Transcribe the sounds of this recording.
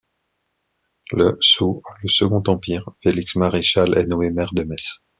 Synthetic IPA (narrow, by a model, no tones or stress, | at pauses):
ləsualəsəɡɔ̃t̪ɑ̃piːʁfeliksmaʁeʃalɛ̰nɔemɛʁd̪əmɛs